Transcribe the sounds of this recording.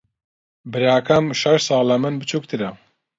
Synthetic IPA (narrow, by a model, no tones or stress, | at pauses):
bɨɾaːkʰamʃɐʃsɑːlɐmɨnbɨt͡ʃʰuːk̚t̪ʰɨɾɐ